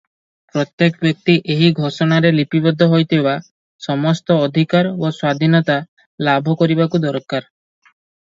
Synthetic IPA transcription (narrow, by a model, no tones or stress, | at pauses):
pɾɔt̪jekbjɔk̚t̪iʔeɦiɡʱɔʃɔɽ̃aɾelipibɔd̪ʱːɔɦojt̪ʰibeba | sɔmɔst̪ɔːd̪ʱikaɾoswad̪ʱinɔt̪a | labʱɔkɔɾibakud̪ɔɾkaɾ